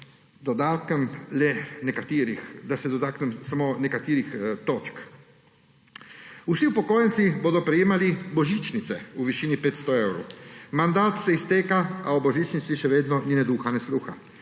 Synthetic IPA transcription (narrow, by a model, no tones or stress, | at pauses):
d̪ɔd̪aːt̪kɛmlɛnɛkat̪iːɾixd̪asɛd̪ɔd̪aːknɛmsamoːnɛkat̪iːɾixt̪oːt͡ʃk | usiupɔkoːjɛnt̪siboːd̪ɔpɾɛjeːmalibɔʒit͡ʃnit̪sɛuʋiʃiːnipeːt̪st̪ɔewɾo̰wmand̪aːt̪sɛist̪eːkaaɔbɔʒit͡ʃnit̪siʃɛʋeːd̪nɔninɛd̪uːxanɛsluːxa